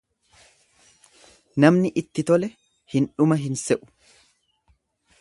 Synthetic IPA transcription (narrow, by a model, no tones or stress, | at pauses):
nɐmnɪʔɪt̪ːɪt̪ɔlɛ | hɪnᶑʊmɐɦɪnsɛʔʊ̥